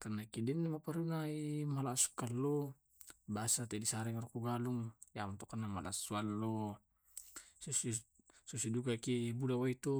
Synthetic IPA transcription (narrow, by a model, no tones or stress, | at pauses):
karnakidɛnːamapaɾunaimalasu̥kalːɔ | basat̪ɛdisaɾɛŋarukuɡaluŋjamt̪ɔkanamala̰sualːɔ | susi | susidukakibulawait̪u